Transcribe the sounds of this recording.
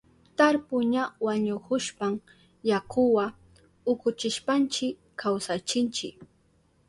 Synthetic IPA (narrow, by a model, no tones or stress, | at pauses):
t̪aɾpʊɲawaɲʊkʊʃpam | jakʊwa | ʊkʊt͡ʃɪʃpant͡ʃɪkː | awsat͡ʃɪnt͡ʃɪ̰k